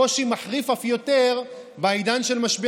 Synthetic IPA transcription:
oʃimaħʁifafjo̞te̞ʁ | bajd̪anʃelmaʃbi

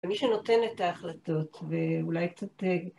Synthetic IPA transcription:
miʃeno̞te̞net̪aːχlat̪o̞t̪veulajkt͡sat̪e

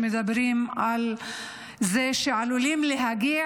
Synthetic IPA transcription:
mɪd̪abɪɾiːmʔal | zeːʃʕaluliːmlɪɦaɡiː

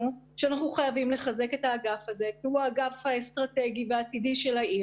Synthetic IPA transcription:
ʃeanaχuχajavimle̞χaze̞ke̞taːɡafaze̞kiuaɡafhaest̪ʁate̞ɡiveaːt̪idiʃe̞laʔi

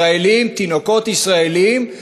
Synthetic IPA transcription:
aelimt̪ino̞ko̞t̪isʁaelim

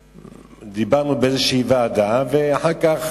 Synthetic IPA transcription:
d̪ibaʁnubeezeʃɛivaːd̪aveaħaʁkaχ

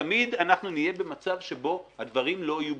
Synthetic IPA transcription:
mid̪anaχnunije̞be̞mat͡savʃe̞bo̞had̪vaʁimlo̞ajub

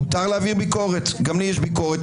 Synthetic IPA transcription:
t̪aʁleaviʁbiko̞ʁet̪ɡamlijɛʃbikoʁet

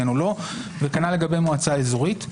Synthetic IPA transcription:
enulo̞vekanale̞ɡabe̞jmoat͡saezoʁit

